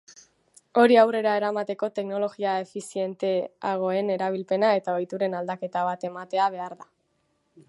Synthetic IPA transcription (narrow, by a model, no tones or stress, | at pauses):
o̞ɾiawre̞ɾae̞ɾamat̪e̞ko̞t̪e̞kno̞lo̞ɣiae̞fisie̞nt̪e̞a̰ɣ̞o̞e̞ne̞ɾaβ̞ilpe̞nae̞t̪ao̞jt̪uɾe̞nald̪ake̞t̪aβ̞at̪e̞mat̪e̞aβ̞e̞aɾða